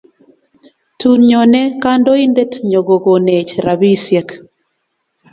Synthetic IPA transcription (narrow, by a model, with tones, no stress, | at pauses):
tu˨nɲɔ˨nɛ˦ka˦ndɔ˦i˦nde˦tɲo˨ɡo˨ɡo˨ne˨t͡ʃɾa˨bi˦sjɛ˦k